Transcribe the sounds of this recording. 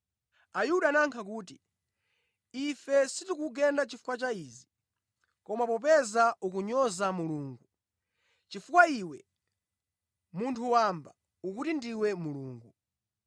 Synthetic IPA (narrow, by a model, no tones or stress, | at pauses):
ajuɗaːnaŋkʰak̬uːti | ifɛsitukuɡɛndat͡ʃifu̥kwat͡ʃaizi | kɔmapɔp̬ɛzaukuɲɔzamuluːŋɡu | t͡ʃifukwaiwɛ | muntʰuwamba | ukutindiwɛmuluːŋɡu